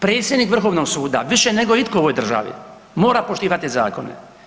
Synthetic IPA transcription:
pɾe̞ːt̪sjed̪nikʋr̩xo̞ʋnoɡsuːd̪a̰ʋiʃeneɡo̞it̪koojd̪r̩ʒa̰ʋḭ | mo̞ːɾapoʃt̪iːʋat̪iza̰ːko̞nḛ

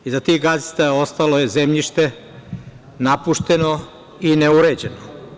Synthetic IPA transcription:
izat̪iɣɡazi̥t̪aost̪aloje̞zemʎiʃt̪e | napuʃt̪e̞no | ineuɾed͡ʑeno

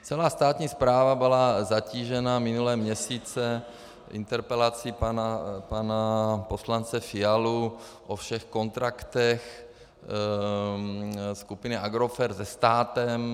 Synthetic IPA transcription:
t͡sɛlaːst̪aːt̪ɲiːspɾaːvabɪlazaciːʒɛnamɪnulɛːmɲɛsiːt͡sɛ | ʔɪ̰nt̪ɛɾpɛlat͡sipanapanapo̞slant͡sɛfɪalu | ʔofʃɛxko̞nt̪ɾakt̪ɛx | skupɪnɪʔaɡɾofɛɾzɛst̪aːt̪ɛm

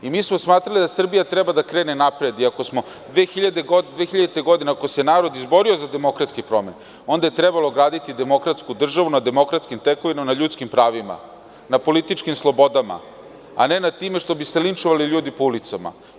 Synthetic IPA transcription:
imiːsmosmaːt̪ɾalid̪asr̩bijat̪ɾebad̪akɾeːne̞napɾe̞d̪iako̞smo | d̪ʋexiʎad̪eɡod̪ʋeːxiʎad̪et̪eɡo̞d̪ineakosenaːɾo̞d̪izbo̞ɾio̞zad̪e̞mo̞kɾat̪skipɾo̞me̞ne | o̞nd̪aje̞t̪ɾɛbalˠoɡɾaːd̪it̪id̪e̞mo̞kɾat̪skud̪r̩ʒaʋunad̪e̞mo̞kɾat̪skimt̪eko̞ʋinamnaʎuːt̪skimpɾaːʋima̰ | napo̞lit̪it͡ʃkimslˠo̞bo̞d̪ama̰ | a̰ne̞nad̪̚t̪imeʂt̪o̞biselint͡ʃoʋaliʎuːd̪ipoulit̪sama̰

